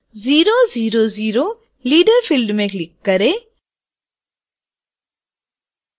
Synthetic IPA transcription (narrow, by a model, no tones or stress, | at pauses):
ziːɾoziːɾoziːɾo | liːɖəɾpʰɪlɖmẽklɪkːɐɾeː